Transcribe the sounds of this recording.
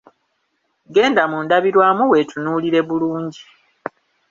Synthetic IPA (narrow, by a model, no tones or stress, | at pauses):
ɡe̞ːndamundaβiɾwaːmuwe̞tʰunuːliɾe̞βuluːɲɟi